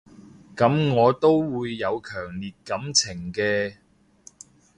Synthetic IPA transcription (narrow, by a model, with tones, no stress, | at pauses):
kɐ˨˥mŋɔː˨˧t̪o˥wwuː˨˧jːɐ˨˧wkʰœː˨˩ŋliː˨t̚kɐ˨˥mt͡sʰɪ˨˩ŋkɛː˧